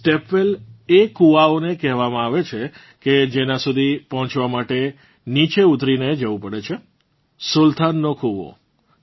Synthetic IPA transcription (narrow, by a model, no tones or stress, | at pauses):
sʈepelekuʋaonekɛɦʋamãaʋet͡ʃʰe | ked͡ʒenãsud̪ʱipɔɦɔ̃t͡ʃʋamaʈe | nit͡ʃeut̪ɾined͡ʒəʋũpəɽet͡ʃʰe | sult̪ʰanːokʰuʋo̰